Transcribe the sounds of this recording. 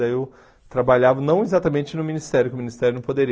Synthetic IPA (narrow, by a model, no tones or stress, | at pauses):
ɐew | t̪ɾabaʎavɐnɐ̃w̃ezat̪ɐmẽt͡ʃɪnʊminist̪ɛɾjʊkɪʊminist̪ɛɾjʊnɐ̃w̃pod̪eɾi